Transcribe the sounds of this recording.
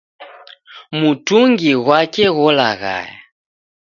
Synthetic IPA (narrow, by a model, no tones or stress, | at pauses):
mutuŋɡiɣwakɛɣɔlaɣa̰ja